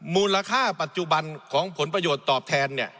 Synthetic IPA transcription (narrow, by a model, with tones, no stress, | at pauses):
muː˧la˧kʰaː˥˩pa˨˩t̪̚t͡ɕu˧ba˧nkʰɔː˩˦ŋpʰo˩˦npɾa˧joː˨˩t̪ːɔː˨˩p̚t̪ʰɛː˧nːi˥˩ɐ